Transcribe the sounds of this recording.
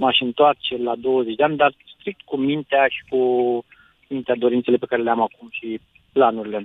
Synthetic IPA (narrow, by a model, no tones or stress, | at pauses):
maʃɨnt̪oart͡ʃelad̪o̞wəzet͡ʃʲd̪eand̪arst̪ɾik̚t̪kumint̪eaʃi̥ku | mint̪ead̪o̞ɾint̪se̞le̞pe̞kaɾe̞leamakumʃi | planuɾile̞